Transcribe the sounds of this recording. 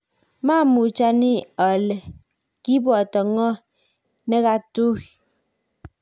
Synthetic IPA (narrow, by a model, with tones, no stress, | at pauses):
ma˦˨mu˨t͡ʃa˦ni˦ɔ˨le˨ | ki˦bɔ˨tɔ˨ŋɔ˦ | ne˦ɣa˦tu˦˨